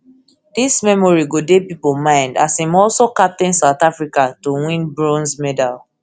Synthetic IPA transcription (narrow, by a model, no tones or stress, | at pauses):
dismɛmɔɹiɡodepipomãɪ̃nda̰sĩmɔlsokap̚tĩnsaʊtafɹikatowĩnbɹɔ̃nsmɛdal